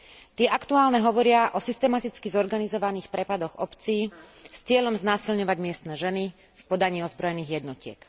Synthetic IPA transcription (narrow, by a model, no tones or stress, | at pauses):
t̪ɪɛʔakt̪uaːlnɛɦɔʋɔɾɪaʔɔsist̪ɛmat̪it͡skizɔɾɡanizɔʋaniːxpɾɛpad̪ɔɣɔpt͡siːst͡sɪɛʎɔmznaːsilɲɔʋaɟmɪɛst̪nɛːʒɛni | fpɔd̪aɲiːɔzbɾɔjɛniːɣjɛd̪nɔcɪɛ̰k